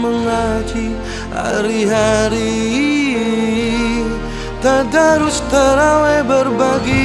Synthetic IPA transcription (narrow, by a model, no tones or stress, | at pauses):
məŋat͡ʃʰi | a̰ɾiɦaɾi | t̪ad̪aɾust̪ʰəɾawebəɾbʱaɡi